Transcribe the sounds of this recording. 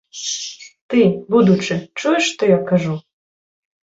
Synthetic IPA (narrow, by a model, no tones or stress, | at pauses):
t̪ɨbud̪ut͡ʂɨt͡ʂujɛʂːt̪ɔjakaʐu